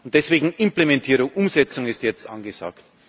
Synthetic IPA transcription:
ʊnt̚d̥ɛsv̥eːɡŋ̩ɪmplemɛntʰiːɾʊŋʔʊmzɛt͡sʊŋɪstjɛt͡stʔa̰nɡəza̰ːkt

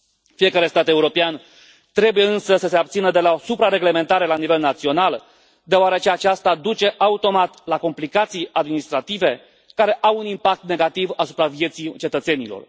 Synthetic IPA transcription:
fije̞kaɾe̞st̪at̪e̞uɾo̞pean | t̪ɾe̞buje̞ɨnsəsəse̞ab̚t̪sinəd̪e̞lao̞supɾaɾe̞ɡle̞me̞nt̪aɾe̞lanive̞lnat̪sio̞nal | d̪eoaɾet͡ʃe̞at͡ʃast̪ad̪ut͡ʃe̞ʔaut̪o̞mat̪lako̞mplikat̪sijad̪minist̪ɾat̪ive̞ | kaɾe̞ʔawunimpak̚t̪ne̞ɡat̪ivasu̥pɾavje̞t̪sit͡ʃe̞t̪ət̪se̞nilo̰r

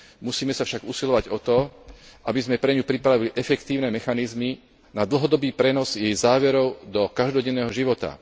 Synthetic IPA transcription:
musiːmɛsafʃaɡusilɔʋaɟɔt̪ɔʔabizmɛpɾɛɲupɾipɾaʋiliʔɛfɛkt̪iːʊnɛmɛxanizmi | nad̪l̩ɦɔd̪ɔbiːpɾɛnɔzjɛjzaːʋɛɾɔʊd̪ɔkaʒd̪ɔɟɛnːɛːɦɔʒiʋɔt̪a̰

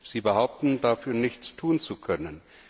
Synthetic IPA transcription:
z̥iːbəhaʊp̚tn̩dafyːɐnɪçt͡stʰuːnt͡sukʰœnən

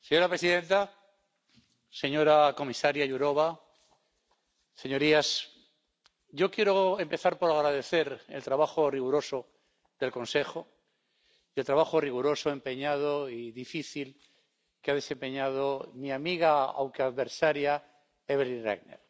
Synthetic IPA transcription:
seɲo̞ɾapɾe̞siðẽ̞nt̪a | se̞ɲo̞ɾako̞misaɾjaʝuɾo̞βa | se̞ɲo̞ɾias | ɟ͡ʝo̞kje̞ɾoe̞mpe̞θaɾpo̞ɾaɣɾaðe̞θe̞ɾelt̪ɾaβaxoriɣuɾo̞so | d̪e̞lkõ̞nse̞xo | ielt̪ɾaβaxoriɣuɾo̞soe̞mpe̞ɲað̞oiðifiθil | keað̞esẽ̞mpe̞ɲað̞omiamiɣaa̰wŋkeaðβe̞ɾsaɾja | eβeɾlinrḛɣnḛɾ

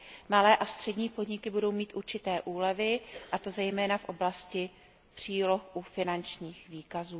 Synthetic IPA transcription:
malɛːʔast̪r̝̥ɛdɲiːpodɲɪkɪbudo̞wmiːt̪ʔuɾt͡ʃɪt̪ɛːʔuːlɛvɪʔat̪o̞zɛjmɛːnafʔo̞blascɪ | pr̝̥iːlo̞xʔufɪnant͡ʃɲiːxviːkazuː

